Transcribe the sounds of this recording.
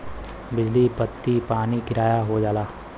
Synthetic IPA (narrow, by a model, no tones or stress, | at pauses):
bɪd͡ʒlibət̪ːipaːnikɪɾaːjaɦod͡ʒaːlaː